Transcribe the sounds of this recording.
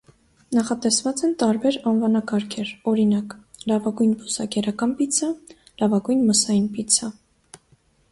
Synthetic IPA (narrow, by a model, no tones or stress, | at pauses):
nɑχɑt̪ɛsvɑt͡sɛnt̪ɑɾbɛɾɑnvɑnɑkɑɾkʰɛɾɔɾinɑk | lɑvɑɡujnbɔsɑkɛɾɑkɑnpit͡sʰə | lɑvɑɡujnməsɑjinpit͡sʰə